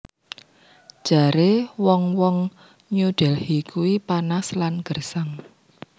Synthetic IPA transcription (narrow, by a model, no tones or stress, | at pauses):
d̥ʒ̥a̤ɾewɔŋwɔŋ | ɲuɖ̥ɛlhikʰuwipanaslanɡ̥ə̤rsaŋ